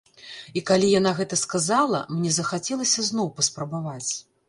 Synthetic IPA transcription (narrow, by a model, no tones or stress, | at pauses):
ikalʲijanaɣɛt̪ɐskazalˠɐmnʲɛzɐxat͡sʲɛlˠɐsʲɐznɔwpɐspɾɐbavat͡sʲ